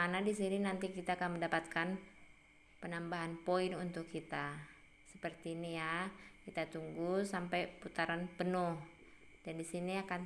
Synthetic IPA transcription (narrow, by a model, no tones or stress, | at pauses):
anadisininant̪ikit̪aːkanməndapat̪̚kan | pənambaɦanpoinunt̪ʊkːit̪a | səpərt̪iːnijakit̪at̪uŋɡusampajput̪aɾanpənʊh | d̥andisiniakan